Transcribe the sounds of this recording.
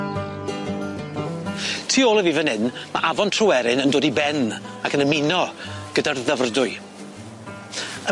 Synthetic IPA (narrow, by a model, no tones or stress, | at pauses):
tʰiːoːlˠəviːvənɪnma̰ʔavɔntʰrəwɛɾɪnəndoːdibɛnakʰənəmɪnɔɡ̥ədarðəvrdʊɨ | ə